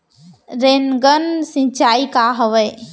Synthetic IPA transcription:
ɾeːnɡənsɪ̃t͡ʃaːikaɦəʋəː

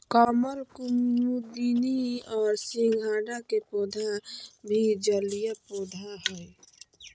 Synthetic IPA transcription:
kɔːməlkʊmud̪iːniɔːɾsĩŋɡʱaːɖakepoːd̪ʱabʱid͡ʒəlijapoːd̪ʱaɦɛɛ

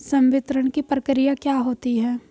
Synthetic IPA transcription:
sɐ̃mʋɪt̪ɾəɳ̃kipɾəkɾijakjaːɦoːt̪iɦɛː

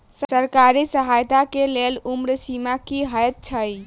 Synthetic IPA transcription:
ssəɾkaɾisəɦajt̪akelelumɾəsimakiɦəjt̪̚t͡ʃʰəj

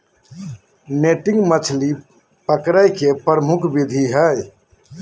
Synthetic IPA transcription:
neʈɪ̃ŋɡmət͡ʃʰli | pəkɾəjkepɾəmʊkʰbid̪ʱiɦəj

